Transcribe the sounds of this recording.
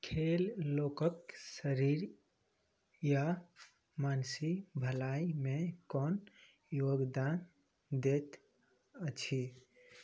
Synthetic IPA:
kʰelːokəksəɾiɾ | ja | mansibʱəlaimekɔn | joɡd̪an | d̪et̪ | ət͡ʃʰi

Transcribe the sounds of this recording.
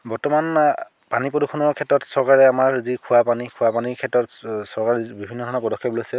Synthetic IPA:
bɔɹtɔman | panipɹɔdukʰːɔnɔɹkʰɛtɹɔtsɔɹkaɹɛamaɹzikʰʊwapanikʰʊapanikʰɛtːɹɔtsɔɹkaɹɛbibʱinːɔdʱɔnɔpɔdɔkʰːɔbɔloasɛ

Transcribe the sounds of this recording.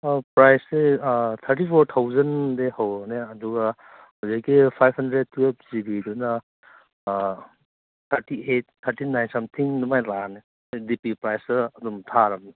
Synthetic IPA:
pɾajset̪ʰɐɾtipʰoɾt̪ʰawzɐndehawneɐduɡɐ | hɐzakːipʰajpʰhɐndɾed̚tːuep̚zibidunɐ | t̪ʰɐɾtiet̚tʰːəɾtinajnsamtʰiŋnumajlane | jdipipɾajsɯɐdumtʰaɾɐmni

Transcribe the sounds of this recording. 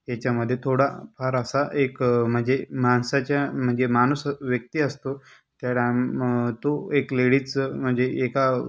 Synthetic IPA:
jat͡ɕjaməd̪ʱːjet̪ʰoɽapʰaɾəsaʔekm̤əɳd͡zemansat͡ɕjam̤əɳd͡zemanusʋjək̚t̪iːəst̪o | t̪jaɽat̪oekleɽiːt͡sm̤əɳd͡zeeka

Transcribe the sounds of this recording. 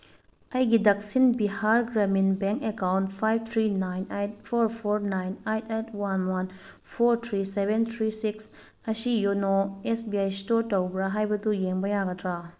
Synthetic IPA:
ɐjɡidɐk̚sinbihaɾɡɾaminbeŋkekawntpʰajb̚t̪ʰɾinajnejt̚pʰoɾpʰoɾnajnejtetʰwanwan | pʰoɾt̪ʰɾisebent̪ʰɾisiks | ɐsijonoesbiajstoɾtowbɾaɦajbɐdujeŋbɐjaɡɐtʰɾa

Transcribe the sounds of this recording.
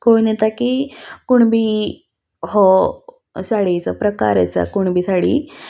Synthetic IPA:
koinɛt̪akikuɳbʱiː | hɔ | saɽit͡səpɾəka̰ɾə̰t͡sa̰kuɳbʱiːsaɽi

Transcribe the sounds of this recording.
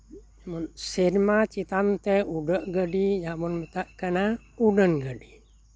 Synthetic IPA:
jamunsiɾmat͡ʃit̪ant̪eudəʔɡədijamunmət̪aʔkəna | udənɡədi

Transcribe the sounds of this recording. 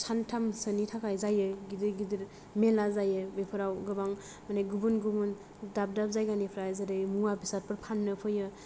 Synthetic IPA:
sʰantʰamsənitʰakʰajzajɯɡidiɾɡidiɾ | melazajɯbepʰɯɾawɡɯbaŋ | maneɡubunɡubun | dap̚dap̚zajɡanipʰɾazaɾɯjmuabʰisat̚pɯɾpʰanːɯpʰɯjɯ

